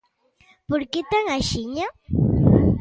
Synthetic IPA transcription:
pʊɾkɪt̪aŋaʃɪɲa

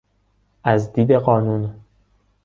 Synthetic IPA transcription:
ʔæzd̪iːd̪e̞ɢɒːnun

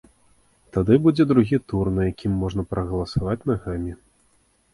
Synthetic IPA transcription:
t̪ad̪ɨbud͡zʲɛd̪ɾuɣʲit̪urnɨjakʲʰimːɔʐnɐpɾʔɐɣɐlˠɐsavat͡sʲnaɣamʲi

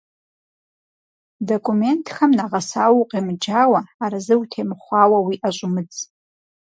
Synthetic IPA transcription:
do̞kʷʼʰume̞ntʰxamnaʁasawuqʼimd͡ʒawaːɾazɨwutʰemχʷawawiʔaʒʷʼʊmɨd͡z

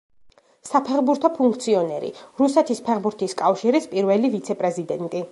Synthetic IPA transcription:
sapʰɛχbuɾt̪ʰɔpʰuŋkʰt̪sʰiɔnɛɾḭɾusɛt̪ʰispʰɛχbuɾt̪ʰiskʼafʃiɾispʼiɾvɛlivit̪sʰɛpʼɾɛzid̪ɛnt̪ʼi

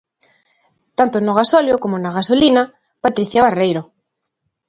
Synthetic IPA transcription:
t̪ant̪onoɣ̞asɔljokomonaɣasolina | pat̪ɾiθjaβarejɾo

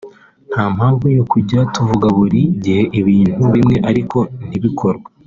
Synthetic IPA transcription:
n̥haːm̥haːɱvujokuɟatuvuɡaβuɾiɟihe̞ʔiβiːn̥huβimŋe̞ʔaɾiko̞n̥iβikʰoɾɡwa

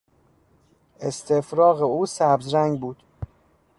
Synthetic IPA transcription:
ʔest̪ʰe̞fɾɒːɣeuːsæbzɾæŋɡbuːd̪̥

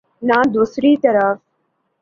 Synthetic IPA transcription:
naːd̪uːsɾiːt̪əɾaf

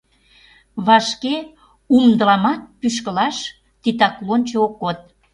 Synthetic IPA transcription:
βɑʃke | umd̪əlɑmɑt̪̚pyʃ̬kəlɑʃ | t̪it̪̬ɑklonʲt͡ɕookːot̪̚

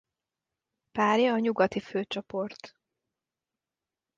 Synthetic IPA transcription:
paːrjɒːɲuɡɒt̪iføːt͡ʃopo̞rt̪

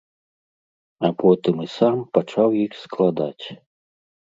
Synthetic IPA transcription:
apɔt̪ɨmɨsampat͡ʂawjixsklˠad̪at͡sʲ

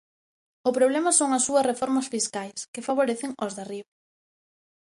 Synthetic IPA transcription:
ʊpɾoβ̞lɛmɐsoŋɐsːuɐsrefɔɾmɐsfiskajskɪfaβ̞oɾeθɪŋozðariβo

